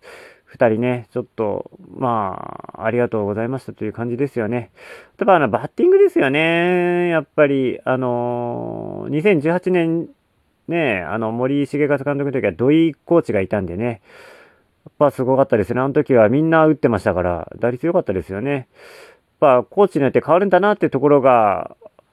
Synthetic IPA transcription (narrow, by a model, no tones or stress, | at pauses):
ɸɯ̟̥t̪aɾʲine̞t͡ɕo̞t̪ːo̞̰ma̰ː | ɾʲiɡat̪o̞ːɡo̞zaimaɕi̥t̪at̪ojɯ̟ːkãɲ̟d͡ʑid̪e̞sɨjo̞ne̞t̪abaːnobat̪ʲːĩŋɡɯ̟d̪e̞sɨjo̞ne̞japːaɾʲiano̞ | ɲ̟is̬ẽ̞ɲ̟d͡ʑɨːhat͡ɕinẽ̞n | ne̞a̰no̞mo̞ɾʲiɕiɡekat͡sɨ̥kanot̪okɯt̪okʲiβad̪o̞iko̞ːt͡ɕiɡait̪ãnd̪e̞ne̞ | japːasɨɡo̞kat̪ːad̪e̞sɨneano̞t̪o̞kʲiβamʲĩnːaɯ̟t̪ːe̞maɕi̥t̪akaɾa̰d̪aɾʲit͡sɨjo̞kat̪ːad̪e̞sɨjo̞ne̞ | japːako̞ːt͡ɕiɲʲiot̪ːe̞kaβaɾɯ̟̃nd̪anat̪ːet̪o̞k̬o̞ɾo̞ɡa